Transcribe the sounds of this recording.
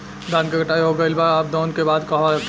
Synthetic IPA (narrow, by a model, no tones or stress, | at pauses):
d̪aːnkeɡɐʈaːiɦoɡəɪlbaɾaːp̚d̪ɔːnkebaːd̪koɦaɾɐk